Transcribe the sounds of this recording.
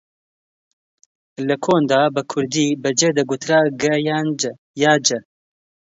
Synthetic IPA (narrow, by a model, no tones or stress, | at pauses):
ləkʰoːnd̪ɑːbəkʰʊɾd̪iːbəd͡ʒeːd̪ɐɡʊt̪ʰɾaːɡɛjan | jaːd͡ʒɛ